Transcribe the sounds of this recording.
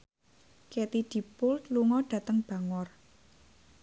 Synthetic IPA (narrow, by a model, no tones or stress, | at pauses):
kɛt̪id̪̥i̤pʊlt̪luŋɔɖ̥ä̤t̪əŋb̥ä̤ŋɔr